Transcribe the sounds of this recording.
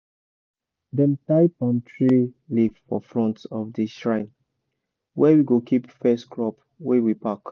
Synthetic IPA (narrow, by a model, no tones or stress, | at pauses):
dɛ̃ntaɪpɔ̃ntʰɹilivfɔfɹɔ̃ntɔvdiʃɹãɪ̃n | wɛwiɡokʰipfɛskʰɹɔp | wɛwipak